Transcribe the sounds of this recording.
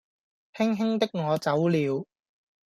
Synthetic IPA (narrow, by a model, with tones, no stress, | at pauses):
p̪ʰɪ˥ŋɦɪ˥ŋt̪ɪ˥k̚ŋɔː˨˧t͡sɐ˨˥wliː˨˧w